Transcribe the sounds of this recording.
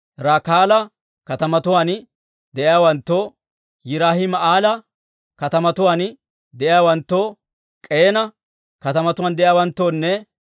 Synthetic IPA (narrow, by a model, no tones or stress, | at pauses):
ɾaːkaːlɐ | kɐt̪ɐmɐt̪ʊwaːn | d̪ɛʔɪjaːwɐnt̪ːoː | jɪɾaːhɪmɐaːlɐ | kɐt̪ɐmɐt̪ʊwaːn | d̪ɛʔjaːwɐnt̪ːoː | kʼe̞ːnɐ | kɐt̪ɐmɐt̪ʊwaːnd̪ɛʔjaːwɐnt̪ːoːnːɛ